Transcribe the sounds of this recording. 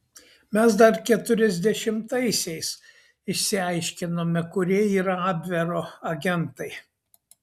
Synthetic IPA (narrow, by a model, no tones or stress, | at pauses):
mʲɛs̬d̪ɐɾkʲɛt̪ʊɾʲɛzʲd̪ʲɛʃʲɪmt̪ɐɪsʲɛɪs | ɪʃʲsʲɪɑɪʃʲkʲɪnoːmʲɛkʊɾʲiɛiːɾɐɑːbʲʋʲɛɾoːɐɡʲɛnt̪ɐɪ